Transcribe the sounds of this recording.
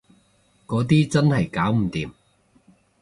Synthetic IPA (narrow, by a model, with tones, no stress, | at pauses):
kɔː˨˥t̪iː˥t͡sɐ˥nhɐ˨jkaː˨˥wm̩˨˩t̪iː˨m